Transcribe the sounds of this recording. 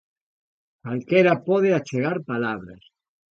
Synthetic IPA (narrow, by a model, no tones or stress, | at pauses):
kalkeɾapoð̞eat͡ʃeɣ̞aɾpalaβ̞ɾa̰s